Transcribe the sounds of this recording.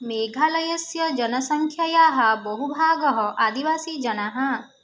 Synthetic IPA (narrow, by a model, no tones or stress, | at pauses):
meɡʱalʌjɔsjɔd͡ʒɔnɔsɔŋkʰjajaɦabɔɦubʱaːɡɔɦɔʔad̪ibasid͡ʒɔnaɦɔ